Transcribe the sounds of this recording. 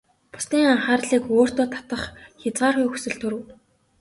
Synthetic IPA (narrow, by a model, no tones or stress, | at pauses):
pʊ̥sniːŋaɴχaːrɮiːkoːr̥t̪oːt̪ʰḁt̪ə̆χxʲat͡sɢaːrxujxu̥sɵ̆ɮt̪ʰɵɾɘ̆w